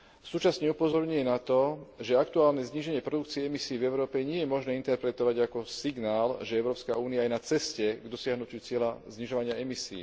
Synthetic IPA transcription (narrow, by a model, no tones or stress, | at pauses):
suːt͡ʃasɲɛupɔzɔɾɲuɛnat̪ɔʒɛak̚t̪uaːlnɛzɲiʒɛɲɪɛpɾɔd̪ukt͡siɛɛmisiːvɛʊɾɔːpɛɲɪɛjɛmɔʒnɛːint̪ɛɾpɾɛt̪ɔʋaɟakɔsiɡnaːlʒɛɛʊɾɔːpskauːniaːjnat͡sɛscɛɡd̪ɔsɪaɦnucɪut͡sɪɛlazɲiʒɔʋaɲɪaɛmisḭː